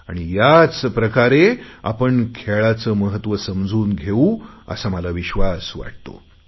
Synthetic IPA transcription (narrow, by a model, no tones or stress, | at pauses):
aɽ̃ijat͡spɾəkaɾea̰pəɳkʰeɭat͡səməɦət̪ʋəsəmd͡zuːnɡʱeũə̰saməlaʋiɕʋasʋa̰ʈ̚t̪o̰